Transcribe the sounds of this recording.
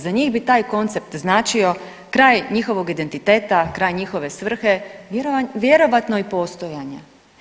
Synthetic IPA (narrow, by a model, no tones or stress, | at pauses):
zaɲiːɣbit̪aːjko̞nt̪se̞p̚t̪znaːt͡ʃio̞ | kɾaːjɲixo̞ʋo̞ɡid̪e̞nt̪it̪e̞ːt̪akɾaːjɲixo̞ʋe̞sʋr̩xe̞ | ʋjeɾo̞ʋat̪noipo̞ːst̪o̞jaɲe